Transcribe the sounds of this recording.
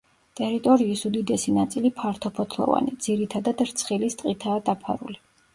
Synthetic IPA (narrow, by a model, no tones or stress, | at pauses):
t̪ʼɛɾit̪ʼɔɾiːsud̪id̪ɛsinat̪sʼilipʰaɾt̪ʰɔpʰɔt̪ʰlˠɔ̰va̰nid̪z̥iɾit̪ʰad̪ad̪ɾt̪sʰχilist̪ʼqʼit̪ʰaːd̪apʰa̰ɾṵli